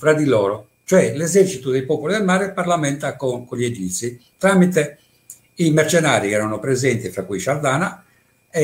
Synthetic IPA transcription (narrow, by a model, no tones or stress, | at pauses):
fɾad̪ilɔːɾo | t͡ʃoɛlɛzɛrt͡ʃit̪ud̪ejpɔːpolid̪elmaːɾepaɾlamɛnt̪akokoled͡ʒit̪sit̪ɾaːmit̪e | imɛɾt͡ʃɛnaːɾikɛːɾanopɾɛzɛnt̪ifɾakːuiʃaɾd̪aːna | ɛ